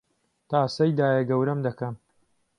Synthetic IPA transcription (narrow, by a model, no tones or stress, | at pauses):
t̪aːsɐjd̪aːjɐɡɐwɾɐmd̪ɐkɐm